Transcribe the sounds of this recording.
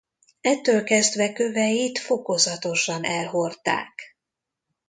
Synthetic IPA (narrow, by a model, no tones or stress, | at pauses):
ɛt̪ːøːlkɛzd̪ʋɛkø̞vɛjit̪fo̞ko̞zɒt̪o̞ʃɒnʔɛlɦo̞rt̪a̰ːk